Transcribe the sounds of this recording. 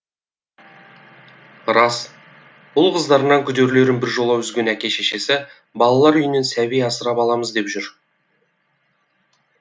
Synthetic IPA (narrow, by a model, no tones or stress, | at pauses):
ɾɑs | b̥ʊlˠqʰəzd̪ɑɾnɑŋkʲʰʏd̪e̞ɾle̞ɾɪnbɪɾʒo̞lˠɑwʏzɡʲe̞nækʲe̞ʃeʃe̞sɪ | bɑlˠɑlˠɑɾʏjɪne̞nsæbijɑsəɾɑpɑlˠɑməzd̪e̞pʒʏɾ